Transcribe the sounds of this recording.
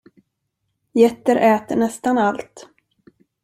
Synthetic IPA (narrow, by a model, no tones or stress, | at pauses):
jɛt̪ːəɾʔɛːt̪əɳɛst̪analt̪